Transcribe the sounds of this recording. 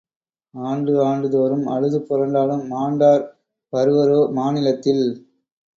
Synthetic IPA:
aːɳɖɯaːɳɖɯðoːɾɯmɐ̰ɻɯðɯpːɔɾɐɳɖaːlɯmːaːɳɖaːɾ | pɐɾɯʋɐɾoːmaːnɪlɐt̪ːɪl

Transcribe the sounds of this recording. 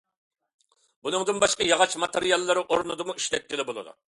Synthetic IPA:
bunɨŋd̪ɨnbɑʃqɑjɑʁɑt͡ʃmɑt̪ʰeɾijɑlˠːɨɾɨʔoɾnɨd̪ɨmuiʃlɛt̪̚k̪ʲɪlɪbolˠɨ̰d̪ṵ

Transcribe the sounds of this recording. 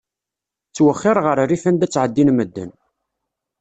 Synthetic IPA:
t͡sːwəχːɪɾˤʁəɾriθænd̪æt͡sːʕəd̪ːinməd̪ːə̰n

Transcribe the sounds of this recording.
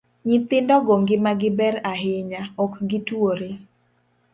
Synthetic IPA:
ɲit̪ɪndɔɡoŋɡɪmaɡɪbɛɾaɦɪɲaɔkɡɪtwoɾe

